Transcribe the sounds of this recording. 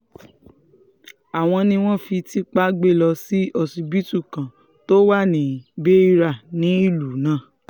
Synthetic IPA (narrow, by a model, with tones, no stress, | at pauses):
a˨w̃ɔ̃˧nĩ˧w̃ɔ̃˦fi˧ti˦k͡pa˦ɡ͡be˦˨lɔ˧si˦ɔ˧si˧bi˦tu˦˨kã˨ | to˦wa˦˨nĩ˨be˦i˧ɾa˦˨nĩ˨˦i˦˨lu˨˦nãː˦˨